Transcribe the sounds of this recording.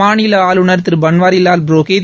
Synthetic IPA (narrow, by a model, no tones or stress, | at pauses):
aːnɪlɐaːlʊɳɐɾt̪ːɪɾbɐɳʋaːɾɪlaːlbɾoːke